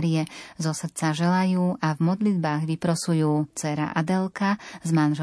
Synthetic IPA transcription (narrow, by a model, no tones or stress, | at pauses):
ɾiɛzɔsr̩t͡saʒɛlajuːʔavmɔd̪lid̪baːɣʋipɾɔsujuːt͡sɛɾa̰ʔad̪ɛlkazmanʒɛ